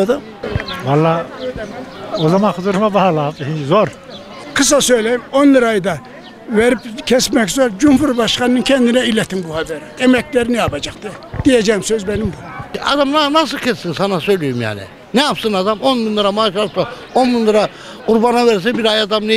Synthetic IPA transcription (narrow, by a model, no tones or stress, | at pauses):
d̪ɯ | valˠːaøjlɛmɛozamanxuzuɾumabaɦalaːpɦizoɾ | qʰɨsasøjlɛjimonlˠɯɾɑjd̪ɑ | vɛɾipkʰɛsmɛkzoɾd͡ʒumfuɾbɑʃqɑnːɯnkʲʰɛnd̪inɛilɛt̪ʰimbuhad̪ɛɾiɛmɛklɛɾiniabɑd͡ʒɑqt̪ɯd̪̥ijɛd͡ʒɛimsøzbɛnimbuma̰d̪amnanas̬ɯlˠcʰɛssinsanasøjlijumja̰ːnḭ | nɛjapsɯnad̪amo̞nminlˠaɾamaːʃalˠp̪sa | onminlˠaɾa | quɾbanavɛɾs̬ɛbiɾajad̪amnɛ